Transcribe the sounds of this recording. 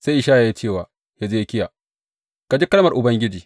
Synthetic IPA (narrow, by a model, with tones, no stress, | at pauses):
sa˦jʔɪ˨˦ʃaː˦ja˨ji˦t͡ʃeː˦˨waː˨ | ha˨ze˦kʲɪ˦jaː˨ | ka˨d͡ʒi˦kɐ˦lmɐ˨rʔʊ˨bɐ˦ŋɡʲɪ˦d͡ʒiː˨